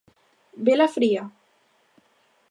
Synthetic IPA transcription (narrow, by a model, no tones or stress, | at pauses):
belafɾia